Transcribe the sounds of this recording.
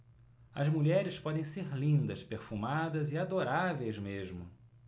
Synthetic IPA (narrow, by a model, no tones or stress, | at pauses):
ɐ̰zmuʎɛɾɪspɔd̪ẽj̃seɾlĩnd̪ɐspeɾfumad̪ɐzɪad̪oɾavejzmeʒmʊ